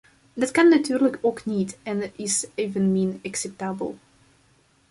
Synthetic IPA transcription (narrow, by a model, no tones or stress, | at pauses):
dɑtkɑnːatyːrləkʰoːknitɛnɪsevənmɪnaksɛp̚taːbə̰lˠ